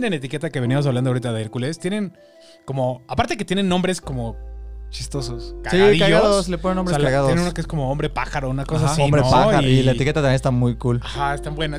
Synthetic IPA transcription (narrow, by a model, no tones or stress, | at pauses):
nenet̪ike̞t̪ake̞βeniamosaβland̪oaoɾit̪aðeeɾkule̞st̪je̞ne̞n | ko̞mo̞apaɾt̪e̞ket̪je̞nenːõ̞mbɾe̞sko̞mo̞t͡ʃist̪o̞soskasiðikaɣaðosleponenombɾeajɣaðoenunokeesko̞mo̞ombɾe̞paxaɾounakos̬aomɾeoaaɾoilaet̪ikeat̪amjenest̪amujkulaxaest̪ambwe̞na